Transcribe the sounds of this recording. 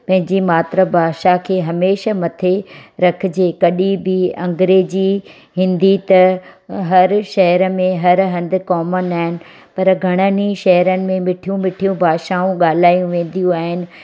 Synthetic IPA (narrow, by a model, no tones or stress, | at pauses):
pɐ̃ɦɪ̃ɲd͡ʑimaːt̪ɾəbʱaːʃakʰeːɦɐmeːʃamɐt̪ʰeɾɐkʰɪd͡ʑeːkɐɗibɪɐ̰̃ŋɡɾeːd͡ʑi | ɦɪ̃nd̪it̪ɐɦɐɾʃɐɦəɾəmẽɦɐɾɦɐ̃nd̪ɪ̆kɔːmənaːɦɪnɪ̆ | pɐɾɡʱɐɽ̃əniʃɐɦəɾənɪ̆mẽmɪʈʰijũmɪʈʰijũbʱaːʃaũɠaːl̤aːijũʋẽːnd̪ijũaːɦɪnɪ̆